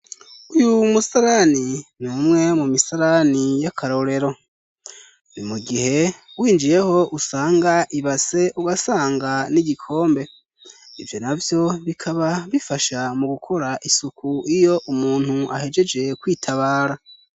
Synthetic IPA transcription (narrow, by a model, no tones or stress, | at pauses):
ujumusaɾaninuːmŋe̞mumisaɾanijakʰaɾo̞ɾe̞ɾo̞ | nimuɡihe̞wiːnd͡ʒije̞ho̞ʔusaːŋɡaʔiβase̞ʔuɡasaːŋɡaniɟikʰo̞ːmbe̞ | ivjo̞navjo̞βikʰaβaβifaʃamuɡukʰo̞ɾaʔisukuijo̞ʔumuːn̥hua̰he̞d͡ʒe̞d͡ʒe̞kwiːtʰaβaːɾa